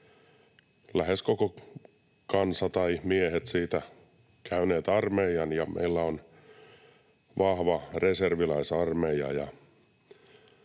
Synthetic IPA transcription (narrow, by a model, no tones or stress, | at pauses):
læheskoko | kɑnsɑt̪ɑimiehet̪siːt̪æ | kʰæyneːt̪ɑrmeiɑnjɑmʔḛilːæon | ʋɑhʋɑreserʋilæisɑrmeiɑ̰jɑ